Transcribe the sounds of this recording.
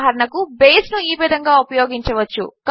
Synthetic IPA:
ɦɐɾɐɳɐkubeːsnuiːʋid̪ʱɐŋɡaːupɐjoːɡiɲt͡ʃɐʋɐt͡ʃːṵkɐ

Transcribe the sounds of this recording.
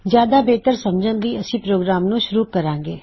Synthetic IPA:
zjaːd̪aːbeːt̪əɾsəmd͡ʒə̃ːɡəiːəsĩːpɾoːɡɾaːmnũːʃʊɾuːkəɾãːŋɡeː

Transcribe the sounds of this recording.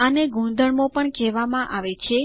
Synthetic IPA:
əneɡʱũd̪əɭmõpəɳkɛʋamãʔaʋet͡ʃʰe

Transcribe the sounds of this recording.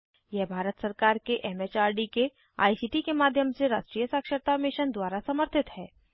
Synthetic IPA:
jɛɦbʱaːɾət̪sɐɾkaːɾkeʔɛmeːt͡ʃaːɾɖike | a̰ːisiːʈikemaːd̪ʱjəmseɾa̰ːʃʈɾiːjəsaːkʃəɾt̪amɪʃənd̪waːɾasɐməɾt̪ʰɪt̪hɛː

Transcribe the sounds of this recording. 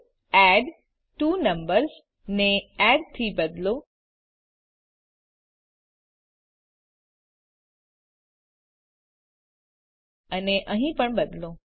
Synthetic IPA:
ɛɖ | ʈuːnəmbəɾs | neɛɖt̪ʰibəd̪ʱlo | əneʔəɦĩpəɳbəd̪ʱlo

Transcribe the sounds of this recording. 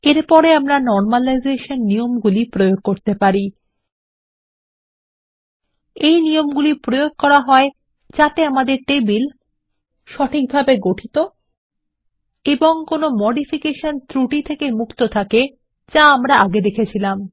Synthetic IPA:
eɾpɔɾeamɾanɔɾmalajzeʃonːiomɡulipɾojoɡ̚koɾt̪epaɾi | ejniomɡulipɾojoɡ̚kɔɾaɦɔe | t͡ɕat̪eamad̪eɾʈebil | ʃɔʈʰik̚bʱabeɡoʈʰit̪o | eboŋkonomɔɖifikeʃont̪ʰɾuʈit̪ʰekemukt̪ot̪ʰake | d͡ʑaamɾaʔaɡed̪ekʰet͡ɕʰilam

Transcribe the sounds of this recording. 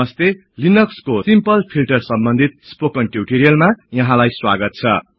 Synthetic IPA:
ʌst̪e | linʌkskosimpʌlpʰilʈʌrsʌmbʌnd̪ʱit̪̚spokʌnʈjuʈiɾijʌlmajʌɦãlajswa̰ɡʌt̪̚t͡sʰʌ

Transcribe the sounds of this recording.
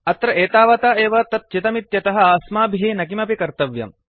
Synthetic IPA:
ɐt̪ɾɐʔeːt̪aːʋɐt̪aːeːʋɐt̪ɐt̪̚t͡ʃit̪ɐmit̪jɐt̪ɐɦɐ̆aːsmaːbʱiɦinɐkimɐpikɐɾt̪ɐʋjɐ̰m

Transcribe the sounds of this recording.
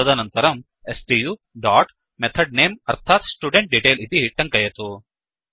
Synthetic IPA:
ɐd̪ɐnɐnt̪ɐɾɐm | esʈijuː | ɖaːʈ | met̪ʰɐɖ̚neːmɐɾt̪ʰaːt̪sʈuːɖeɳʈ̚ɖiːʈeːlit̪iɦiʈːɐŋkɐjɐt̪u

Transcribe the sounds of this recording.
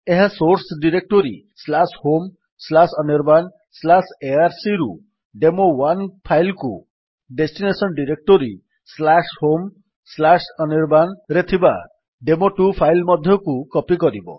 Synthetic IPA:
eɦesoɾsɖiɾek̚ʈoɾi | slashom | slasɔniɾban | slaseaɾsiɾṵ | ɖemowanpʰajlkṵ | ɖesʈinesɔnɖiɾek̚ʈoɾi | slashom | slasɔniɾbanɾet̪ʰiba | ɖemoʈupʰajlmɔd̪ʱjɔkukɔpikɔɾibɔ̰

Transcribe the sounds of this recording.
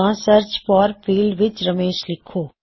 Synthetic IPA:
ãːsəɾt͡ʃpɔːɾpʰiːlʋɪt͡ʃɾəmeːʃlɪkʰːoː

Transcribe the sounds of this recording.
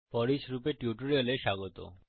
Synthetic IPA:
fɔɾiʃɾupeʈjuʈuɾioleʃaɡot̪o̰

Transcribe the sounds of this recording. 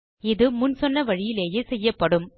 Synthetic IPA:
ɪðɯmʊnsɔnːɐʋɐɻɪjɪleːjeːsɛjːɐpːɐɽɯm

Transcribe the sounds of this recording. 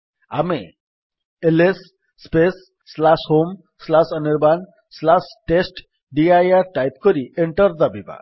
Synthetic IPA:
a̰me | elesː | pesː | lasɦom | slasɔniɾban | slasʈesʈ | ɖiajaɾʈajt̪kɔɾieɳʈəɾd̪abiba̰

